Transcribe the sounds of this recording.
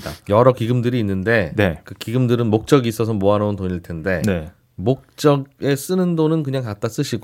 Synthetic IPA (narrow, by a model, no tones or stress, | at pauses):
da̰jʌɾʌkiɡɯmdɯɾiːnːɯnde̞ne̞kɯkiɡɯmdɯɾɯnmok̚t͡ɕ͈ʌɡiːs͈ʌs̬ʰʌmoanountoɲiɭtʰe̞nde̞ne | mok̚t͡ɕ͈ʌɡe̞s͈ɯnɯndonɯnkɯɲaŋkat̚t͈as͈ɯɕʰiɡ